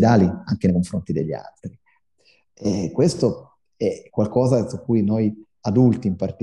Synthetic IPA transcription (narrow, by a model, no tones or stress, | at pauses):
d̪aːliaŋk̟enejkoɱfɾont̪id̪eʎːia̰lt̪ɾi | ɛkwest̪o | ɛkːwalkɔːzasukːujnoj | ad̪ult̪iːmpart̪